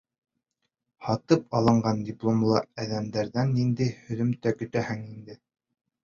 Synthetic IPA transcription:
hɑt̪ɤp̚ɑlˠɤ̆ɴɢɑndʲɪplˠomlˠɑæðæmd̪æɾðænːind̪æjhɵ̆ðɵ̆mt̪ækɵ̆t̪æhɘŋind̪ɘ

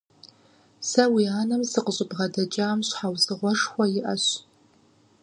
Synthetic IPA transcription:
sɐwiaːnɨmzɨqəɕʼɪbʁɐdɐt͡ʃʼaːmɕħawzɨʁʷɔʂxʷɐjɪʔɐɕ

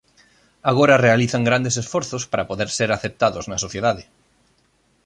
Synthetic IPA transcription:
aɣ̞oɾɐrealiθaŋɡɾand̪esesfoɾθospaɾapoðeɾseɾaθep̚t̪aðoznɐsoθjeðaðe

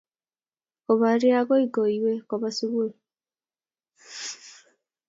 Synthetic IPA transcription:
koβaɾiaɡoiɡoiwekoβasiβue

